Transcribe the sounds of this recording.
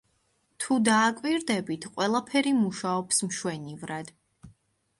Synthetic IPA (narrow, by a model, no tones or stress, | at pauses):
t̪ʰud̪aːkʼwiɾd̪ɛbit̪ʰqʼwɛlˠapʰɛɾimuʃaɔpsmʃwɛnivɾad̪̥